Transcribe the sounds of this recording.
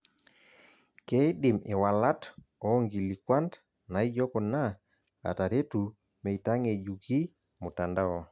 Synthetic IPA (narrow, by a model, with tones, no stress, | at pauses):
ke˦dɪ˨mɪ˨wa˨la˦t | ɔ˨˦ŋɡi˨li˨kwa˦nd | na˨i˦d͡ʒɔ˦kɔ˨na˦ | a̰˨ta˨ɾe˦tu˨ | me˨i˨ta˦ŋe˨d͡ʒu˨ki˦ | mʊ˨ta˨nda˦ɔ˦